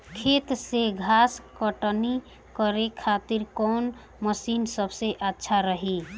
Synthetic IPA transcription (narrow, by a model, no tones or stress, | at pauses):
kʰet̪seɡʱaskəʈni | kəɾekʰat̪iɾkɔn | məsinsəbʱseʔatːʃʰaɾəɦi